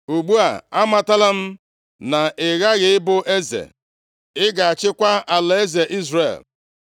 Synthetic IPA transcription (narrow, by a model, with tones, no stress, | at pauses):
u˨ɡ͡bu˦a̰˨a˦ma˨ta˦la˦m̩˦ | na˨ɪ˨ɣa˦ɣɪ˨ɪ˦bʊ˦ʔe˦zḛ˨ | ɪ˦ɡa˨a˨t͡ʃɪ˦kʷa˦a˨le˦ze˨ʔi˦zrḛ˨l